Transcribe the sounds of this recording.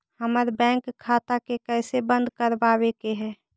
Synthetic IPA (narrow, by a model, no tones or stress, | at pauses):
həməɾbɛ̃ːŋkkʰːaːt̪akekɛːsebə̃nd̪kəɾbaːwekeɦɛː